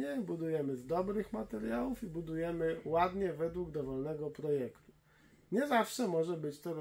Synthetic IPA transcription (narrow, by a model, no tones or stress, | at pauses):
ɛbud̪ujɛmɘzd̪ɔbɾɘxmat̪ɛɾʲjawufibud̪ujɛmɘwad̪ɲɛvɛd̪wuɡd̪ɔvɔlnɛɡɔpɾɔjɛkt̪u̥ | ɲɛzafʂɛmɔʐɛbɘt͡ɕt̪ɔɾ